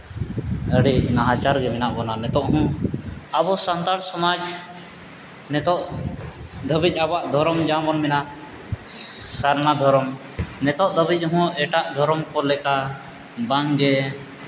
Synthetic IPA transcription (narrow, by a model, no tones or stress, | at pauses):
əɽinaɦãt͡ʃaɾɡɛmɛnaʔbɔnanɛt̪ɔʔɦɔ̃abɔsant̪aɽsɔmad͡ʒ | nɛt̪ɔʔ | d̪ʱəbic̪̚ˀabaʔd̪ʱɔɾɔmd͡ʒãbɔnmɛna | saɾnad̪ʱɔɾɔm | nɛt̪ɔʔd̪əbic̪̚ˀɦɔ̃ɛʈaʔd̪ʱɔɾɔmkɔlɛka | baŋɡɛ